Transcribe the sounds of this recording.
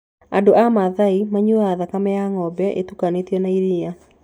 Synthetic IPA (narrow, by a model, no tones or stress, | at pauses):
adoʔamaðaimaɲuaðakamɛjaŋɔbɛʔḛtukanetjɔnaiɾia